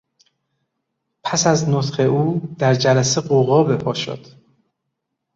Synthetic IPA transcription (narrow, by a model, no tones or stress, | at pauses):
pʰæsæznot̪χe̞ʔuːd̪æɾd͡ʒælæseɢoɣɒːbe̞pʰɒːʃo̰d̪̥